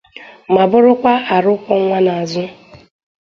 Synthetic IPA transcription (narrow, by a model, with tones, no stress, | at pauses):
ma˨bʊ˦ɾʊ˦kʷa˦a˨ɾʊ˦kʷɔ˦ŋʷa˦na˨a˨zʊ˦